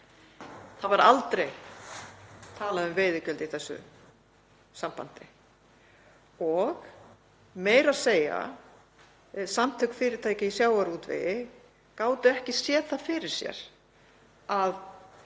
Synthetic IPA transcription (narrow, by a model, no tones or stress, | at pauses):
θavaɾa̰lt̪ɾej | t̪ʰaːlaʏmveːjðʏcœlt̪iθɛsːʏ̰ | sampa̰nt̪ɪ | ɔɣ | meːjɾaðseːja̰ | samt̪ʰʏkfɪːɾɪt̪ʰaːjcɪisjaːwaɾuːt̪vɪ̰ | kaːwt̪ʏɛhcɪsjɛːθḁfɪɾɪɾ̥sjɛ̰ɾ̥ | að